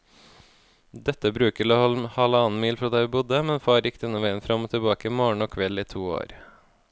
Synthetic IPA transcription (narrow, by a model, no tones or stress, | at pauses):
d̪ɛt̪ːəbɾʉːkəɾɭohɔlhɑːləɑːn̩miːlfɾoːd̪æɪʋɪːbʊd̪əmɛnfɑːɾjɪkːt̪ɛnɔʋeɪənfɾɑmoːt̪ʰɪbɑːkəmɔɳoːkʰʋɛliːt̪ʰuːo̰ːɾ